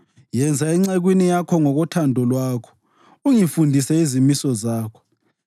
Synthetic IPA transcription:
jɛnd͡zʱaɛŋ͡ǀeɣwinijakʰɔŋɔɣɔtʰandʱɔlwaːkʰɔ̥ | uŋifundʱisɛizimisɔzaːkʰɔ̥

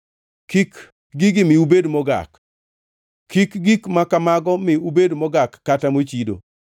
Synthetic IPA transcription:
kik | ɡiɡɪmɪubedmɔɡa̰k | kːikɡikmakamaɡɔmɪubedmɔɡakːatamot͡ʃido̰

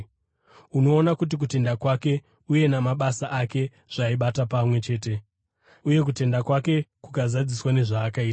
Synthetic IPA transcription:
uno̞ːnakut̬ik̬ute̞ndakwake̞ | uje̞namaɓasaʔake̞ | ʐ̥aiɓatapamwe̞t͡ʃe̞ːte̞ | uje̞k̬ute̞ndakwake̞kukazad͡ziswane̞ʐaːkaiːta

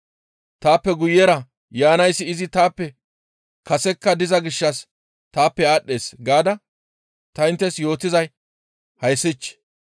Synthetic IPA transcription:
t̪aːpːɛɡʊjːɛɾɐ | jaːnɐjsːɪɪzɪt̪aːpːɛ | kɐsɛkːɐd̪ɪzɐɡɪʃːɐs | t̪aːpːɛaːɗːe̞ːsɡaːd̪ɐ | t̪ɐɪnt̪ːɛsjo̞ːt̪ːɪzɐj | hɐjsɪt͡ʃː

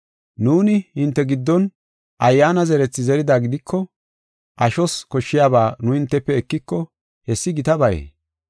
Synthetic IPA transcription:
nuːnɪhɪnt̪ːɛɡɪd̪ːɔn | ʔɐjːaːnɐzɛɾɛt͡sːɪzɛɾɪd̪aːɡɪd̪ɪkʰːɔ | ʔɐʃɔskɔʃːɪjaːbaːnʊhɪnt̪ːɛpːɛɛkːɪkːɔ | hɛsːɪɡɪt̪ɐbɐjḛː

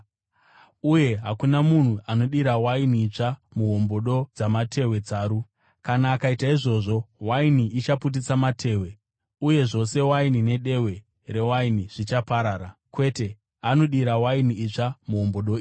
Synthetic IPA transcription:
uje̞ɦakunamun̤uano̞ɗiɾawainiːt͡ʂamuɦo̞mbo̞ɗo̞d͡zamatʰe̞we̞d͡zaːɾu | kanaːkaitaiʐo̞ʐo̞wainiit͡ʃaput̬it͡samatʰe̞ːwe̞ | uje̞ʐo̞se̞wainine̞ɗe̞we̞ | re̞wainiʐ̥it͡ʃapaɾaːɾakwe̞te̞ | ano̞ɗiɾawainiit͡ʂamuɦo̞mbo̞ɗo̞

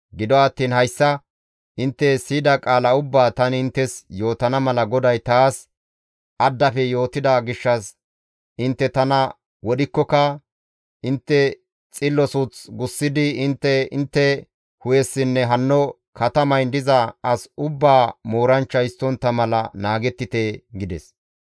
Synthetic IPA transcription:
ɡɪd̪ɔɐt̪ːiːnhɐjsːɐ | ʔɪnt̪ːɛsiːd̪ɐkʼaːlɐʊbːaːt̪ɐnɪnt̪ːɛsjo̞ːt̪ɐnɐmɐlɐɡɔd̪ɐjt̪aːs | ʔɐd̪ːɐfɛjo̞ːt̪ɪd̪ɐɡɪʃːɐs | ʔɪnt̪ːɛt̪ɐnɐ | wɔɗɪkːɔkɐ | ʔɪnt̪ːɛ | t͡sʼɪlːɔsʊt͡sɡʊsːɪd̪ɪɪnt̪ːɛɪnt̪ːɛ | hʊjɛsːɪnːɛɦɐnːɔ | kɐt̪ɐmɐjnd̪ɪzɐɐsʊbːaːmo̞ːɾɐnt͡ʃːɐjɪst̪ːɔnt̪ːɐmɐlɐ̰naːɡɛt̪ːɪt̪eɡɪd̪ɛs

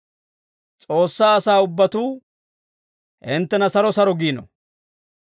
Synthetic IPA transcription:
t͡sʼo̞ːsːaːɐsaːʊbːɐt̪uː | ʔɪnt̪ːɛnɐsɐɾɔsɐɾɔɡiːnɔ̰

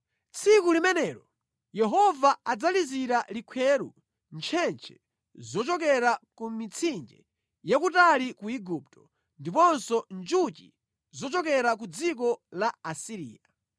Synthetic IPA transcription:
t͡sʰikulimɛnɛːɾɔ | jɛɦɔvaad͡zaliziɾalikʰwɛɾu | nt͡ʃʰɛnt͡ʃʰɛ̥ | zɔt͡ʃɔkɛɾakumit͡sʰind͡ʒɛ̰ | jakutalikuiɡup̚tɔ | ndipɔnsɔnd͡ʒut͡ʃḭ | zɔt͡ʃɔkɛɾak̬ud͡zik̬ɔlaasiɾḭːja

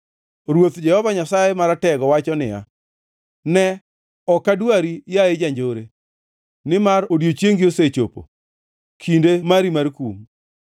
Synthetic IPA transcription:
ɾwot̪d͡ʒɛhɔvaɲasajemaɾatɛɡɔwat͡ʃɔnɪ̰ja̰ | nɛ | ɔkːadwaɾijaed͡ʒaɲd͡ʒoɾe | nɪmaɾodjot͡ʃjeŋɡioset͡ʃopo̰ | kʰindemaɾimarkum

